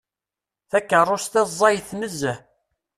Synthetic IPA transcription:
θækːərˤːost̪æzˤːɑjθməzːæ

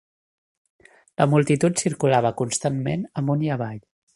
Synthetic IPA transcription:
ləmulˠt̪it̪ut̪siɾkulaβ̞əkunst̪ammenəmbuniəβaʎ

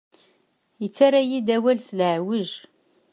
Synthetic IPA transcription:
jət͡sːaɾajid̪æwælslʕwəʒ

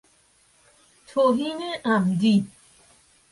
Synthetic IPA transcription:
tʰoɦineʔamdi

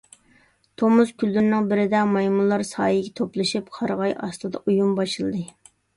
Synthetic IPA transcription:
t̪ʰomuzkʲʰylːyɾnɪŋbɪɾɪd̪ɛmɑjmulˠːɑɾsɑ̰ːjiɡʲɛt̪ʰoplˠɨʃɨp̚qʰɑɾʁɑjʔɑ̰st̪ˠɨd̪ɑ̰ʔujumbɑʃɨlˠd̪ɨ

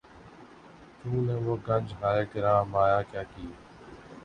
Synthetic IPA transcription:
t͡ʃũːnẽːʋoːɡənd͡ʒʱɦaːeːkəɾãːmaːjaːkjaːkiː

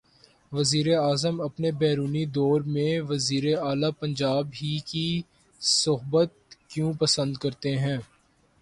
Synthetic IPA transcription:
ʋɐziːɾeaːzəmɐpnebɛːɾuːnid̪ɔːɾmẽʋɐziːɾeaːlapɐ̃ɲd͡ʒaːbɦiki | sʊɦbət̪̚kjũːpɐsə̃nd̪kɐɾt̪eɦɛ̃ː

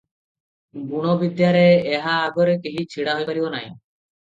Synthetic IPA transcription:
ɡuɽ̃obid̪jaɾeeɦaːɡɔɾkeɦit͡ɕʰiɽaɦojpaɾibonaj

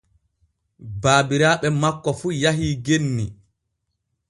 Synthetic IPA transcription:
baːbiɾaːɓɛmakːɔfuːjaɦiːɡenːi

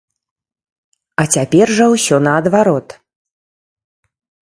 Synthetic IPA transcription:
ɐt͡sʲapʲɛrʐɐwsʲɔnɐːd̪vaɾɔt̪

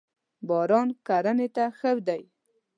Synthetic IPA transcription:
bɑɾɑnkaɾanet̪axəwd̪aj

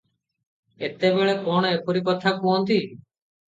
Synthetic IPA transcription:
et̪ebeɭekɔɽ̃epʰoɾikɔt̪ʰakuɦɔnt̪i

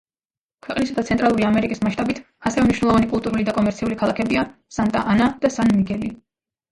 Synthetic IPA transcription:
kʰwɛqʼnisad̪at̪sʰɛnt̪ʼɾalˠuɾiamɛɾikʼismaʃt̪ʼabit̪ʰ | asɛvɛmniʃwnɛlˠɔvanikʼulˠt̪ʼuɾulid̪akʼɔmɛɾt̪sʰiulikʰalˠakʰɛbiasant̪ʼa̰ʔanad̪̥asanmikʰɛli

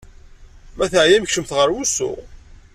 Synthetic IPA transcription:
mæθəʕjæmçʃəmθʁəɾwusʊ̰ʁ

